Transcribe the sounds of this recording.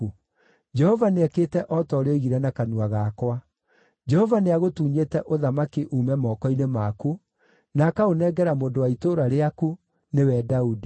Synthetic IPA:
u | d͡ʒɛhɔvaneɛkeːtɛʔɔtɔɾeɣiɾɛnakanuaɣakwa | d͡ʒɛhɔvaneaɣotuːɲeːtɛʔoðamakiʔuːmɛmɔːkɔinemaku | nakaonɛɡɛɾamoːndowaitoɾaɾeaku | newɛdaudi

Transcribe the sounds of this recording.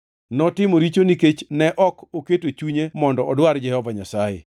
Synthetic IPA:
nɔtɪmoɾit͡ʃoniket͡ʃnɛʔɔkoketot͡ʃuɲemɔndɔɔdwaɾd͡ʒɛhɔvaɲasajḛ

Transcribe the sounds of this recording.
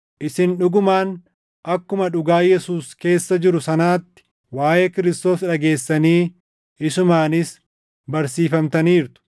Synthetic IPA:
ʔɪsɪnᶑʊɡʊmaːn | ʔɐkːʊmɐᶑʊɡaːjɛsuːske̞ːsːɐd͡ʒɪɾʊsɐnaːt̪ːɪ̥ | waːje̞ːkɪɾɪst̪o̞ːsᶑɐɡe̞ːsːɐniː | ɪsʊmaːnɪs | bɐɾsiːfɐmt̪ɐniːɾt̪ʊ̥

